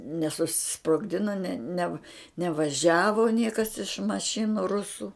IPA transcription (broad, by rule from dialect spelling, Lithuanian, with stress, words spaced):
nʲɛsʊsʲɪsproːɡˈdʲɪnɐ nʲɛ nʲɛ nʲɛʋɐˈʒʲæːʋoː ˈnʲiɛkɐs ɪʃ mɐˈʃʲɪnʊ ˈrʊsʊ